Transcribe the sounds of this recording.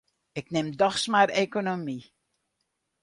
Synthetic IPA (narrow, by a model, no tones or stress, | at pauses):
ɪknɪmdɔxsmarekonomi